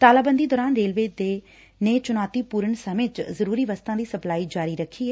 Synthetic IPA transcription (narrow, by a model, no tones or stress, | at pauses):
t̪aːlaːbənd̪iːd̪ɔːɾaːnɾeːlʋeːd̪eː | neːt͡ʃʊnaːt̪iːpuːɾəɳsəmeːt̪zəɾuːɾiːʋəst̪ãːd̪iːsəplaːiːd͡ʒaːɾiːɾəkʰːiːɦɛː